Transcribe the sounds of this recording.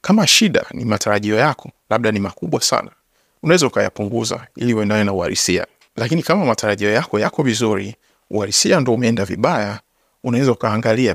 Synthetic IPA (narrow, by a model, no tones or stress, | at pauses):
kamaʃiɗa̰nḭmataɾaʄiɔjakʰɔ̥laɓ̚ɗanimakuɓwasa̰na | unawɛzaukaja̰puŋɡuza̰ḭliuwɛndanɛnaua̰ɾḭsia̰ | lakinikamamatʰaɾaʄiɔjakɔjakɔvizuɾḭ | ṵhaɾisiandɔumɛɛndavḭɓaja | unawɛzaukaːŋɡalia